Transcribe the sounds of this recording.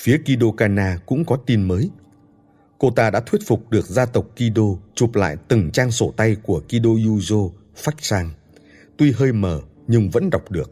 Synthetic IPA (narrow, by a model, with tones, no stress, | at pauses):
fi˨˦əki˧ɗo˧kaː˧naː˧kʊ̰˧˥ŋ͡mkɔ˨˦t̪i˧nməː˨˦j | ko˧t̪aː˧ɗa̰ː˧˥t̪ʰwət̚fʊ˨˩k͡p̚ɗɨ˨˩ək̚zaː˧t̪ə˨˩wk͡p̚ki˧ɗo˧t͡ɕu˨˩p̚la̰ː˧˨jt̪ɨ˨˩ŋt͡ɕaː˧ŋso˧˩t̪a˧jku˧˩əki˧ɗo˧ju˧zo˧ | fa˦˥jk̚saː˧ŋ | t̪wi˧ɦəː˧jməː˧˩ | ɲɨ˧ŋvə̰˧˥nɗa˨˩wk͡p̚ɗɨ˨˩ək̚